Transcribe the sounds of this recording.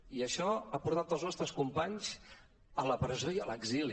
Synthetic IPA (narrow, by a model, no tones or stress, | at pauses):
iəʃɔapuɾt̪at̪əlˠznɔst̪ɾəskumpaɲz | ələpɾəzojələɡzili